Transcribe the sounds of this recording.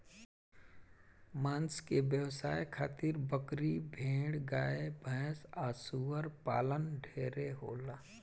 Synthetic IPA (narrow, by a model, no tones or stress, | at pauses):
maːnskeʋjəʋsaːjkʰaːt̪ɪɾbəkɾibʱẽːɽɡaːebʱə̃ːsaːsuːəɾpa̰ːlənɖʱeːɾeɦoːlaː